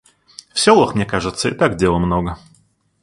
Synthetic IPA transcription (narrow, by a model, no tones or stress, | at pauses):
fsʲolˠəxmnʲekaʐɨt̪səɪ̰t̪aɡdʲelˠəmnoɡə